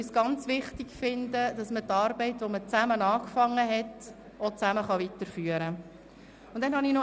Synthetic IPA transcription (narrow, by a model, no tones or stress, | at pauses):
ysɡ̥ɑnt͡sʋɪχtɪɡfɪndəd̥ɑsmətɑːɾbɛɪtʋomət͡sæmənɑːkfɑŋːəɦɛt | ot͡sæməχɑʋitəɾfyːəɾə | ʊnd̥̪ɛnhɑnino